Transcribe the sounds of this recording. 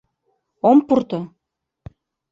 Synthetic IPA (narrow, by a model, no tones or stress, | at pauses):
ompurt̪ɤ